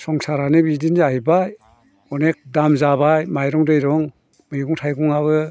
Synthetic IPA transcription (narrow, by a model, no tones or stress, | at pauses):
sɔŋsaɾanɯbidinaɦijbaj | ɔnek̚damzabajmajɾɔŋdɯjɾɔŋ | mɯjɡuŋtʰajɡuŋaβɯ